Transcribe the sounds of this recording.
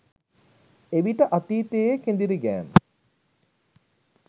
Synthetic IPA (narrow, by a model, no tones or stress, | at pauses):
eʋiʈəʔat̪iːt̪eːekend̪iɾiɡæːn